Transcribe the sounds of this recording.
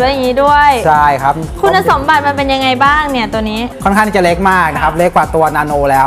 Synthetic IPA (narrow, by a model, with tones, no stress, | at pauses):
ɯ˦˥ja˨˩ŋːiː˦˥du˥˩əjjt͡ɕʰa˥˩jkʰa˦˥p̚ | kʰu˧nːa˧so˩˦mba˨˩t̪̚ma˧npe˧nja˧ŋa˧jbaː˥˩ŋni˥˩ɐt̪u˧niː˦˥kʰɔ˥˩kʰa˥˩t̪ʰiː˥˩t͡ɕa˨˩le˦˥k̚maː˥˩k̚na˦˥kʰa˦˥p̚le˦˥k̚waː˨˩t̪u˧ɐnaː˧noː˧lɛː˦˥w